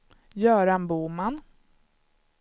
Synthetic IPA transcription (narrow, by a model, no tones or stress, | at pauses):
jœːɾanbuːman